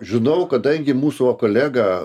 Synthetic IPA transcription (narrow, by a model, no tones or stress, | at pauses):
ʒʲɪnɐʊkɐd̪ɐŋʲɡʲɪmuːsuɐkoːlʲæːɡɐ